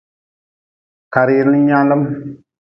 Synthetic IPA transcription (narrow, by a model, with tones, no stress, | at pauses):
ka˨ɾi˦ɾn˦ɲa˦lə˦m